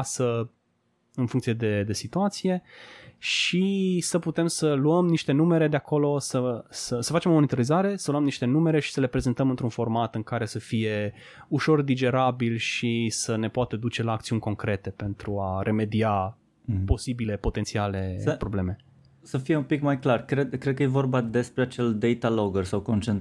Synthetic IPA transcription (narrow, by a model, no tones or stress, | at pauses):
sə | ɨnfuŋkt̪sije̞d̪e̞d̪e̞sit̪uat̪sije̞ʃisəput̪e̞msəluəmniʃt̪e̞nume̞ɾe̞d̪eako̞lo̞səsəsəfat͡ʃe̞momonit̪oɾizaɾe̞səluəmniʃt̪e̞nume̞ɾe̞ʃi̥səle̞pɾe̞ze̞nt̪əmɨnt̪ɾunfo̞rmat̪ɨŋkaɾe̞səfije̞ | uʃo̞rd̪id͡ʒe̞ɾabilʃisəne̞poat̪əd̪ut͡ʃe̞laːkt̪siunʲko̞ŋkɾe̞t̪e̞pe̞nt̪ɾuaɾʔe̞me̞d̪ia | po̞sibile̞po̞t̪e̞nt̪siale̞əpɾo̞ble̞me̞ | səfije̞umpikmajklarkɾed̪kɾed̪̚kəjevo̞rbad̪e̞spɾeat͡ʃe̞ld̪ejt̪aloɡərsawko̞nt͡ʃent̪